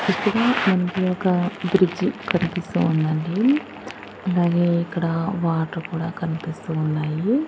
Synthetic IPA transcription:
iʂʈːɐɡɐmɐnkijoːkɐbɾid͡ʒkɐnipist̪uːnd̪ɐɳɖi | ɐlaːɡe̞ːikːɐɽɐʋaːʈɾukuːɽaːkɐnipist̪uːnːaːji

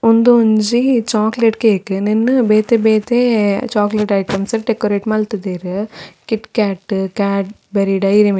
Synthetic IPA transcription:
und̪uuɲd͡ʒit͡ʃaːkleʈkeːkɨninːɨbeːt̪ebeːt̪eːt͡ʃaːkleʈɐjʈɐmsɐɾʈekoɾeʈmɐlt̪ɐd̪eːɾɨkiʈkaːʈːkaːʈ̚ | beɾiɖɐjɾim

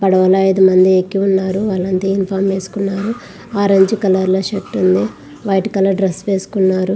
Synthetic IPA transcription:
pɐɽɐʋɐlɐɐjd̪umɐnd̪iekːiunːaːɾuʋaːlːɐnt̪eːinpʰaːɾmʋeːsu̥kunːaːɾu | aːɾɐɲd͡ʒukɐlɐɾloːʃeʈːund̪i | ʋɐjʈikɐlɐɾɖɾesːʋeːsu̥kunːaːɾu

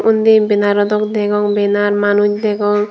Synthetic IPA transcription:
ʔund̪ibinaɾɔd̪ɔkd̪ɛɡɔŋbenaɾmanut͡ʃd̪ɛɡɔŋ

